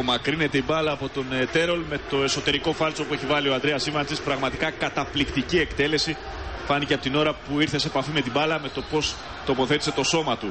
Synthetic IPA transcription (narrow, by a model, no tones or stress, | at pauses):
mɐkɾine̞t̪eibɐlɐːpo̞t̪o̞net̪e̞ɾo̞lme̞t̪o̞e̞so̞t̪e̞ɾiko̞fɐlso̞pue̞çivɐlioɐnd̪ɾeɐsivɐnt͡sispɾɐɣmɐt̪ikɐkɐt̪ɐplikt̪icie̞kt̪e̞le̞si | fɐniceɐpo̞t̪ino̞ɾɐpuiɾθe̞sepɐfime̞t̪ibɐlɐme̞t̪o̞po̞s | t̪o̞po̞θe̞t̪ise̞t̪o̞so̞mɐt̪u